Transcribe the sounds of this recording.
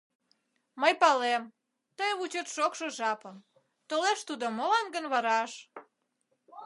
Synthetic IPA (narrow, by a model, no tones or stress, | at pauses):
məjpɑlem | t̪əjβut͡ɕət̪ʃokʃoʒɑpəm | t̪oleʃt̪ud̪omolɑnɡənβɑɾɑʃ